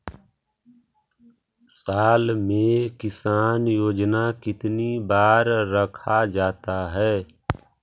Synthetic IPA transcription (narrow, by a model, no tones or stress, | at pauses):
saːlmẽkɪsaːnjoːd͡ʒnakɪt̪nibaːɾːəkʰad͡ʒaːt̪aɦɛː